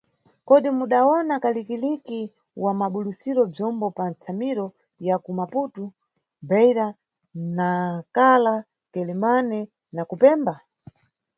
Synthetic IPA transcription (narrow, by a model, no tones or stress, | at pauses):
kɔɗimuɗaɔnakalikiliki | wamaɓulusiɾɔb͡ʐɔmbɔpant͡sʰamiɾɔ | jakumaputu | bɛiɾa | nakala | kɛlɛmanɛ | nakupɛːmba